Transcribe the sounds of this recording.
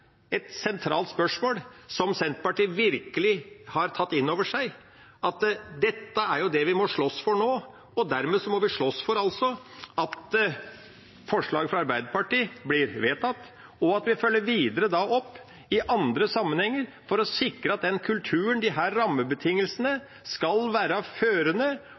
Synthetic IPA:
ɛt̪sɛnt̪ʰɾɑːlt̪spœʂmoːlsɔmsɛnt̪pɑʈiːʋɪɾkəlɪhɑɾt̪ʰɑt̪ːɪnːoːʋəʂæɪ | ɑt̪d̪ɛt̪ːəæɾjʊd̪ɛʋɪmɔʂɭɔsfɔɳoː | ɔd̪æɾmeːsɔmɔʋɪʂɭɔsfɔɾɑlsɔɑt̪ | fɔʂɭɑ̰ːɡfɾɑɑɾbæɪd̪əɾpɑʈiːblɪɾʋeːt̪ɑt̪ː | ɔɑt̪ʋɪfœlːəɾʋiːd̪əɾəd̪ɑʔɔpː | ɪʔɑnd̪ɾəsɑmːənhɛŋːəɾ | fɔɾɔsɪkɾəɑt̪̚d̪ɛnkʰʉlt̪ʰʉːənd̪ɪɦæːɾːɑmːəbət̪ʰɪŋːəlsənə | skɑlʋæːɾəføːɾənə

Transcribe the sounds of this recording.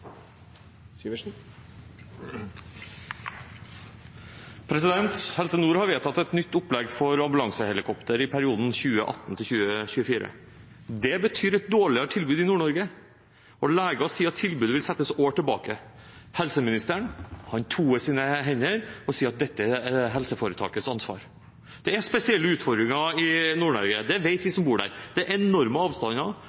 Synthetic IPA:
n | pʰɾɛsɪd̪ɛnt̪hɛlsənuːɾhɑɾʋeːt̪ʰɑt̪ːɛt̪nʏt̪ːʊplɛɡfɔɾɑmbʉlɑŋsəhɛlɪkʰɔpt̪əɾɪpʰæɾɪuːd̪n̩çʉːəʔɑ̰t̪ːn̩t̪ʰɪlçʉːəçʉːəfiːɾə̰ | d̪ɛbət̪ʰyːɾɛt̪̚d̪oːɭɪəɾət̪ʰɪlbʉːd̪ɪnuːɳɔɾɡə | ɔlæːɡɑsiːɑt̪ʰːɪlbʉːd̪əʋɪlsɛt̪ːəsoːʈʰɪlbɑ̰ːkəhɛlsəmɪnɪst̪əɳhɑnt̪ʰuːmɛsiːnəɦɛɲːəɾɔsiːɑt̪̚d̪ɛt̪ːəɛɦɛlsəfoːɾət̪ʰɑ̰ːkət̪sɑnsʋɑ̰ːɾ | d̪̥ɛæspɛsɪɛlːəʉːt̪fɔɾd̪ɾɪŋɑɪnuːɳɔɾɡəd̪ɛʋeɪt̪ʋɪsɔmbuːɖæ̰ɾd̪ɛɛnɔɾməɑːʋst̪ɑnɑ

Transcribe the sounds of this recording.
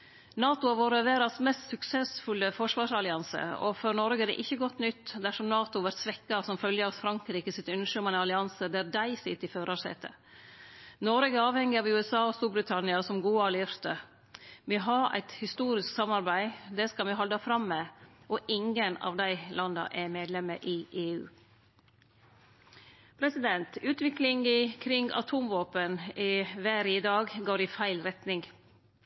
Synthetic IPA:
nɑːt̪ʊɑʋoːɾəəʋeːɾɑsmɛst̪sʉksɛsfʉləfɔʂʋɑːʂɑlɪɑnsə̰ɔ̰fɔɾnɔɾɡəɛd̪ɛ̰ʔɪçːəɡɔt̪ːnʏt̪ːd̪æʂɔmnɑːt̪ʊʋæɾt̪sʋɛkːɑsɔmfœljəɑsfɾɑŋkɾiːkəsɪt̪ʉnʂømɑnəɑlɪɑnsəd̪æɾd̪æɪsɪt̪ːɪføːɾɑsɛ̰t̪ʰːə̰ | nɔɾɡəɑːʋhɛŋːɪɑʋʉːɛsɑːɔst̪uːɾbɾɪt̪ʰɑnɪɑsɔmɡuːɑlɪɾt̪ə | mɪɦɑɾæ̰ɪt̪hɪst̪uːɾɪsksɑmɑɾbæɪd̪ɛskɑmɛɦɔld̪ɑfɾɑmːɛʔɔʔɪŋənɑ̰ːʋd̪æɪlɑnd̪ɑ̰ʔɛmeːd̪lɛməʔɪʔeːʉ̰ː | pʰɾɛsɪd̪ɛnt̪ʉːt̪ʋɪklɪŋɪkʰɾɪŋʔɑ̰t̪ʰuːmʋoːpənɪʋæːɾɪd̪ɑːɡɡoːɾɪfæɪlɾɛt̪nɪŋ

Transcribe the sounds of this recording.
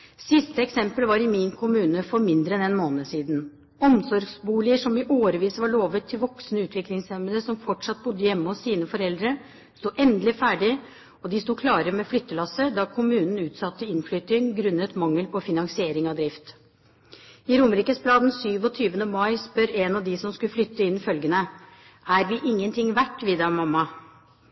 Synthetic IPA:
sɪst̪əɛksɛmpəlʋɑɾɪmɪnkʰʊmʉːnəfɔɾmɪnd̪ɾəɛnɛnmoːnəsiːd̪n̩ | ɔmsɔɾɡsbuːlɪəʂɔmʋɪʔoːɾəʋiːsəʋɑɭoːʋət̪ʰːɪlʋɔksnəʉːt̪ʰʋɪklɪŋsɛmələsɔmfɔʈʂɑt̪̚bʊd̪ːəjɛmːəɔsːiːnəfɔɾɛld̪ɾə | st̪uːʔɛnd̪əlɪfæːɖɪ | ɔd̪ɪst̪uːkʰlɑːɾəmɛflʏt̪ːəlɑsəd̪ɑkʰʊmʉːnn̩ʉːt̪sɑt̪ːəɪnflʏt̪ɪŋɡɾʉnːət̪mɑŋːəlpʰɔfɪnɑŋsɪeːɾɪŋɑd̪ɾɪft̪ | ɪɾʊməɾiːkəsblɑːd̪n̩syːʋɔt̪ʰyːʋənəmɑɪspœɾeːnɑʋd̪ɪsɔmskʉlflʏt̪ːəɪnːɪfœlɡənə | æɾʋɪʔɪŋːənt̪ʰɪŋʋæʈːʋɪd̪ɑmɑmːɑ

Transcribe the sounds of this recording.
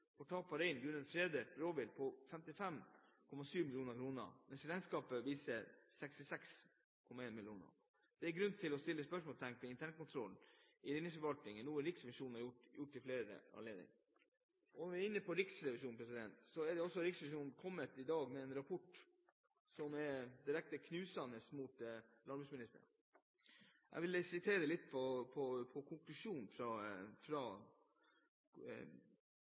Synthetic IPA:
fɔʈ̪ʰɑːpʰɑɾɛɪnɡʉnənfɾeːd̪əɾoːʋɪlpʰɔfɛmt̪ɪfɛmkʰɔmɑsyːmɪlɪjuːnəɾkʰɾuːnə̰mɛnsɾɛnskɑːpəʋiːsəɾsɛkst̪ɪsɛks | kʰɔmɑeːnmɪlɪjuːnə̰ɾ | d̪̥ɛɛɾɡɾʉnt̪ʰɪlɔst̪ɪlːəspœʂmɔːlst̪ʰæŋkɛɪnt̪ʰæɳkʊnt̪ʰɾɔln̩ɪɾɪnɪsfəʋɑlt̪nɪŋənnuːənɾɪksɛmɪʂuːnnɑɾjʊʈːjʊʈːɪfleːɾə̰ɑ̰nleːd̪ɪ̰ŋ | ɔnɔʋɪæɾɪnːəpʰɔɾɪksɾɛʋɪʂuːnpʰɾɛsɪd̪ɛnt̪sɔɛɖɛɔsːɔɾɪksɾɛʋɪʂuːnn̩kʰɔmːət̪ɪd̪ɑːɡmɛɛnɾɑpʰɔʈː | sɔmɛd̪ɪɾɛk̚t̪əkʰnʉːsɑnəsmut̪lɑbʉsmɪnɪst̪ə̰ | ʔæ̰ɪʋɪlsɪt̪ʰeːɾəlɪt̪ːpʰɔpʰɔpʰɔkʰʊŋklʉʂuːnfɾɑfɾɑ

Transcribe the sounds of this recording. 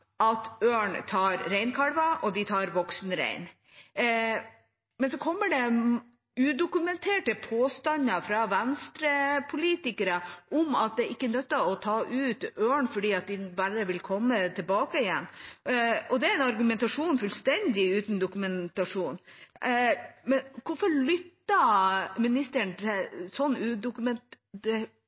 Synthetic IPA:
ɑt̪øːɳt̪ʰɑːɾɾɛɪnkʰɑɽʋɑʔɔd̪ɪt̪ʰɑːɾʋɔksnɾæ̰ɪn | mɛnsɔkʰɔmːəɖɛ | ʉːd̪ʊkʉmɛnt̪ʰeːʈəpʰoːst̪ɑnɑfɾɑʋɛnst̪ɾəpʰʊliːt̪ɪkəɾəʔʊmɑt̪̚d̪ɛːɾʔɪkːənœt̪ːɑɔt̪ʰɑːʔʉːt̪øːɳfɔɖiːɑt̪̚d̪ɪbæɾəʋɪlkʰɔmːət̪ʰɪlbɑːkəɪjɛnː | ɔd̪ɛæɾɛnɑɾɡʉmɛnt̪ɑʂuːnfʉlst̪ɛnd̪ɪʉːt̪n̩d̪ʊkʉmɛnt̪ɑʂuːn | mɛnkʰʊɾfɔɾɭʏt̪ːɑmɪnɪst̪əɳt̪ʰɪlsɔnːʉːd̪ʊkʉmɛn | ɛ

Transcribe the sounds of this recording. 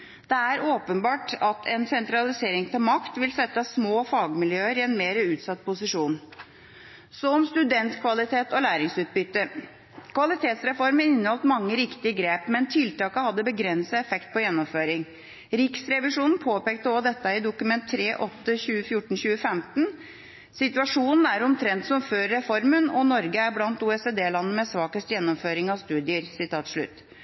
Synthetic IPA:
d̪̥ɛæɾoːpənbɑːʈɑt̪ʰɛnsɛnt̪ɾɑlɪseːɾɪŋt̪ʰɪlmɑkt̪ʋɪlsɛt̪ːəsmoːfɑːɡmɪljøːəɾɪɛnmeːɾəʉːt̪sɑt̪̚ːpʰʊsɪʂuːn | sɔɔmst̪ʉd̪ɛnt̪kʰʋɑlɪt̪ʰeːt̪ɔlæːɾɪŋsʉːt̪̚bʏt̪ːə | kʰʋɑlɪt̪ʰeːt̪sɾɛfɔɾmənɪnːəhɔlt̪mɑŋːəɾɪkt̪ɪəɡɾeːpmɛnt̪ʰɪlt̪ɑːkəhɑd̪ːəbəɡɾɛnsəɛfɛkt̪̚pɔjɛnːɔmføːɾɪŋ | ɾɪksɾɛʋɪʂuːnn̩pʰoːpeːkt̪əɔd̪ɛt̪ːəɪd̪ʊkʉmɛnt̪ʰːɾeːʔɔt̪ːəçʉːəfjʊʈɳ̩ɕʉːəfɛmt̪n̩ | sɪt̪ʉɑʂuːnn̩æɾɔmt̪ʰɾɛnt̪sɔmføːɾːɛfɔɾmənɔnɔɾɡəæɾblɑnt̪uːɛseːd̪eːlɑnːəmɛsʋɑːkəst̪jɛnːɔmføːɾɪŋɑʋst̪ʉːd̪ɪəɾsɪt̪ʰɑːt̪ʂɭʉ̰t̪ː

